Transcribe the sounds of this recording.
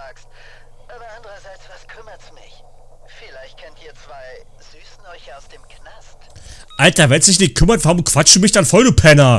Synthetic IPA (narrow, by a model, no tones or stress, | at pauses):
aːkst | ʔanʔandəʁɐzaɪt͡sv̥askʰʏmɐtsmɪç | filaɪçt̚kʰɛntiːɐt͡sv̥aɪ | z̥yːsn̩ɔɪçaʊsd̥eːmkʰnastʔaltɐvɛnsd̥ɪçnɪç̚kʰʏmɐtv̥aʁʊmkv̥at͡ʃd̥uːmɪçd̥anfɔlduːpʰɛnɐ